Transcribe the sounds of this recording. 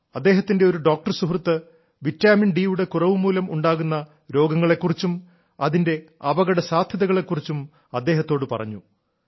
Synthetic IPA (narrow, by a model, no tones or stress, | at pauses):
ɐd̪ːe̞ːɦɐt̪ːinde̞o̞ɾuɖo̞ːk̚ʈɐrsuɦrt̪ːɨ | ʋitːaːminɖiuɽe̞kurɐʋɨmuːlɐmuɳɖaːɣunːɐ | ɾo̞ːɡɐŋːɐɭe̞kːurit͡ɕːum | ɐðinde̞ɐbɐɣɐɽɐsaːd̪ʱjɐðɐɣɐɭe̞kːurit͡ɕːum | ɐd̪ːe̞ːɦɐt̪ːo̞ːɽɨpɐ̰rɐ̰ɲːu